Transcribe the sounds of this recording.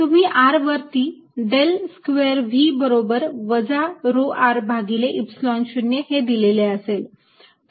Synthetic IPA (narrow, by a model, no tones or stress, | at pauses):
t̪um̤iːʔaɾʋəɾt̪iː | ɖelskʋeɾʋiːbəɾobəɾʋəd͡zaɾoʔaɾbʱaɡileʔipslɔnɕunjəhed̪ileleəsel